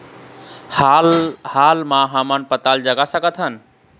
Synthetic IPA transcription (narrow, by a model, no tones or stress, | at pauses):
alhaːlmãɦamənpət̪ald͡ʒəɡasəkət̪ʰɦən